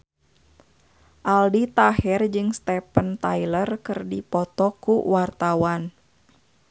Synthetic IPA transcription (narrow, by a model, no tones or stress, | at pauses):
ʔaldit̪aɦɛrd͡ʒɨŋst̪ɛpənt̪ailərkɨrdipɔt̪ɔkuwart̪awan